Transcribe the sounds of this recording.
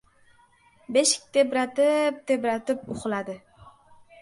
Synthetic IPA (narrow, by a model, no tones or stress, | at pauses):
beʃɪ̥k̚ʲt̪ʰebɾat̪ɪp̚t̪ʰe̞bɾat̪ɪpʊχlad̪ɪ